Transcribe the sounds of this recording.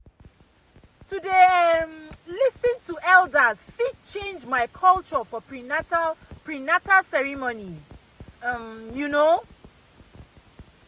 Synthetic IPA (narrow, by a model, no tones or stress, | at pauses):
tudeamlisĩntʰuʔɛldəzfid̚t͡ʃʰẽnd͡ʒmaɪkʰɔlt͡ʃɔfɔɹi | pɹinatasɛɹimoniz | ʌmjuno